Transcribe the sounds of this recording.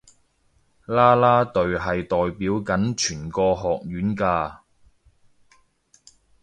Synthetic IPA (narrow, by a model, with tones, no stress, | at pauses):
laː˥laː˥t̪ɵ˧ɥɦɐ˨jt̪ɔː˨jpiː˨˥wkɐ˨˥nt͡ʃʰyː˨˩nkɔː˧ɦɔː˨k̚jyː˨˥nkaː˧